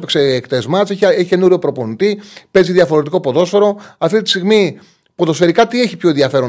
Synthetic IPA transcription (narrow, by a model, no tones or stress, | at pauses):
pekseːkt̪ezmɐseçeçice̞nuɾjopɾo̞po̞nit̪ipe̞ziðjɐfo̞ɾe̞t̪iko̞poðo̞sfe̞ɾo̞ɐft̪it̪i̥st̪iɣmi | po̞ðo̞sfe̞ɾikɐt̪ie̞çipço̞enðiɐfe̞ɾo